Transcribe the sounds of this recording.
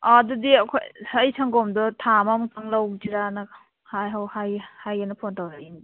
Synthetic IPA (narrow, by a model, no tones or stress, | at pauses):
adudiɐkʰojɐjsʰaŋɡɔmdɔtʰamamtʰaŋlawd͡ʒiɾanɐ | hajɦawhajhajanɯpʰontʰawɾain